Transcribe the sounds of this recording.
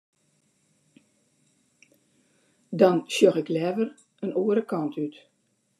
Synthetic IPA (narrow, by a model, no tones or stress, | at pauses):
dɔnsjoxɪklɛːvər | ənuːəɾəkɑntʰyt